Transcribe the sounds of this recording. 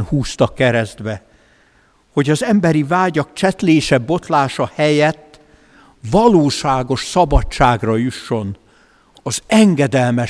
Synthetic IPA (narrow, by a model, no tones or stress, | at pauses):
nhuːst̪ɒkːɛɾɛzd̪bɛ | ho̞ɟɒzɛmbɛɾivaːɟɒk̚t͡ʃɛt̪leːʃɛbo̞t̪laːʃɒhɛjɛt̪ː | vɒloːʃaːɡo̞ʃsɒbɒt͡ʃːaːɡrɒjuʃːo̞n | ɒzɛŋɡɛd̪ɛlmɛ